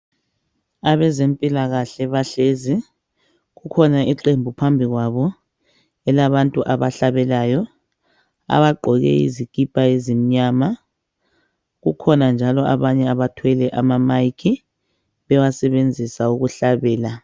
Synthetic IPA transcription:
aβɛzempʼilaɣaɬɛβaɬezi | ɣukʰɔnaiǃembʱupʰambʱiɣwaβɔ | ɛlaβantʼuʔaβaɬaβɛlaːjɔ | a̰βaɡ͡ǃʱɔɣɛ̰ḭzikʼipʼaezim̩ɲama | ɣukʰɔnand͡ʒʱalɔʔa̰βaɲɛaβatʰwɛlɛʔamamajkʰi | βɛwasɛβend͡zʱisauɣuɬaβɛːla

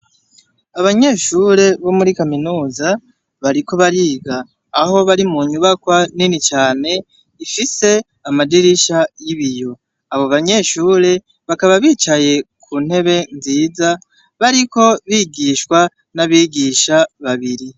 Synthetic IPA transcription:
aβaɲe̞ʃuːɾe̞βo̞muɾikaminuːza | βaɾiko̞βaɾiːɡaː | ɦo̞βaɾimuɲuβakwaninit͡ʃaːne̞ | ifise̞ | amadiɾiʃajiβijo̞ | aβo̞βaɲe̞ʃuːɾe̞ | βakaβaβiːt͡ʃaje̞kʰuːn̥he̞βe̞nziːza | βaɾiko̞βiːɡiːʃkwa | naβiːɡiʃaβaβiɾi

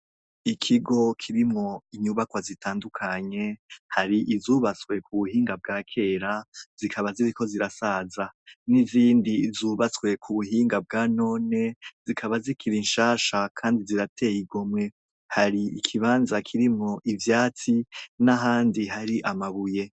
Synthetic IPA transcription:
ikʰiɡo̞kʰiɾimŋo̞iɲuβakwazitʰaːndukʰaɲe̞haɾiʔizuːβat͡skwe̞kʰuβuhiːŋɡab̚ɡaːkʰe̞ɾaz̥ikʰaβaziɾiko̞ziɾasazaniziːndizuːβat͡swe̞kʰuβuɦiːŋɡab̚ɡaːno̞ːne̞z̥ikʰaβazikiɾinʃaːʃakʰaːndiziɾatʰe̞jiɡo̞mŋe̞ | haɾiikʰiβaːnzakʰiɾimŋo̞ʔivjaːt͡sinaɦaːndiɦaɾiʔamaβuje̞

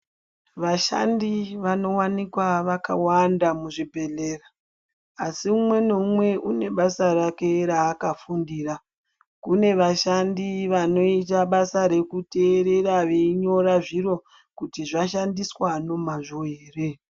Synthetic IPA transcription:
ʋaʃa̰ndiʋano̞wanikwaʋaka̰wandamuʐibʱe̞ɮeraː | siumwe̞nomwe̞ʔune̞ɓasarake̞ɾaːkafundiːra | kune̞ʋaʃandiʋano̞itaɓasaɾe̞kute̞ːɾe̞ɾaʋeiɲo̞ɾaʐiɾo̞ | kutiʐaʃandiswano̞maʐoeːre̞

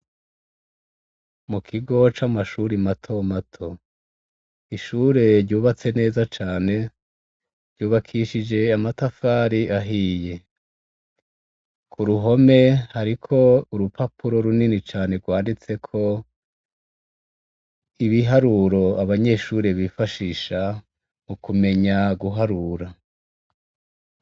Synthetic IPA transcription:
mukʰiɡo̞t͡ʃamaʃuɾimatʰo̞matʰo̞ | iʃuːɾe̞ɾɟuːβat͡se̞ne̞ːzat͡ʃaːne̞ | ɾɟuːβakʰiʃid͡ʒe̞amatafaːɾiʔaɦije̞ | kʰuɾuɦo̞me̞haɾikʰo̞uɾupʰapʰuɾo̞ɾuninit͡ʃaːne̞ɾɡwaːndit͡se̞kʰo̞ | iβiɦaɾuɾo̞aβaɲe̞ʃuːɾe̞βifaʃiːʃa | mukume̞ɲaɡuɦaɾuɾa

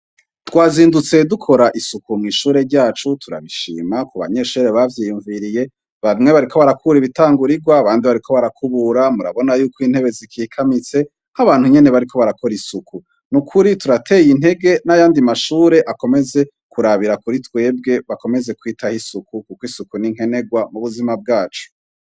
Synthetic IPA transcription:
twaːziːndut͡se̞dukʰo̞ɾaʔisukumŋiːʃuːɾe̞ɾɟaːt͡ʃutʰuɾa̰βiʃḭːmakoβa̰ɲe̞ʃuːɾeβavjiːjuɱviɾije̞ | βamŋe̞βaɾiko̞βaɾakʰuβuɾiβitaːŋɡuɾiɡwaːβaːndiβaɾikʰo̞βaɾakʰuβuɾamuɾa̰βo̞najuːkʰoiːn̥he̞βe̞zikʰiːkʰamit͡se̞ | haβaːn̥huɲe̞ne̞βaɾikʰo̞βaɾako̞ɾisukʰu | nukʰuɾituɾatʰe̞ːjinhe̞ɡe̞najaːndimaʃuːɾe̞ʔako̞me̞ze̞ | kuɾaβiɾakuɾitwe̞ːb̚ɡe̞βako̞me̞ze̞kwiːtahisukukukoisukuniŋ̥ɦe̞ne̞ɡwamuβuzimab̚ɡaːt͡ʃu̥

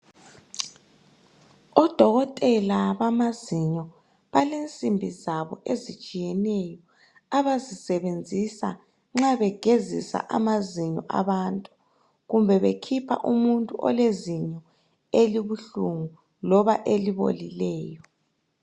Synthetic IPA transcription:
ɔd̥ʱɔɣɔtʼɛlaβamaziɲɔ | βalent͡sʼimbʱizaβɔʔezit͡ʃʼijɛnɛjɔ | aβazisɛβend͡zʱisa̰ | ŋ͡ǁaβɛɡ̥ʱezḭsa̰ʔamaziɲɔʔa̰βantʼu̥ | ɣumbʱɛβekʰipʰa̰ʔumuntʼuʔɔ̰leziɲɔ | eliβuɬuŋu | lɔβaʔeliβo̰lilɛːjɔ

